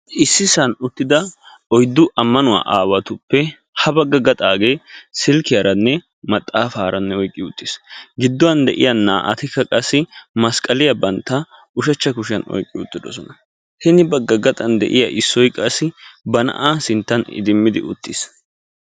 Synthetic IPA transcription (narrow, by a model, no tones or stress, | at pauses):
ʔɪsːɪsɐnʊt̪ːɪd̪ɐ | ɔjd̪ːʊʔɐmːɐnʊwa̰ːʔaːwɐt̪ʊpːɛ | hɐbɐɡːɐɡɐt̪ʼaːɡe̞ːsɪlkɪjɐɾɐnːɛ | mɐt̪ʼːaːfaːɾɐnːɛɔjkʼːɪʊt̪ːɪsɡɪd̪ːɔwɐnd̪ɛ̰ʔɪ̰jɐnaːʔɐt̪ɪkːɐkʼɐsːɪmɐskʼɐlɪjɐbɐnt̪ːɐʔʊʃɐt͡ʃːɐkʊʃɐnɔ̰jkʼːɪʊt̪ːɪd̪ɔ̰sɔnɐ | hɛnɪbɐɡːɐɡɐt̪ʼɐnd̪ɛ̰ʔɪ̰jɐʔɪsːɔjkʼɐsːɪbɐnɐ̰ʔaːsɪnt̪ːɐnɪ̰d̪ɪmːɪd̪ɪ̰ʔʊ̰t̪ːɪs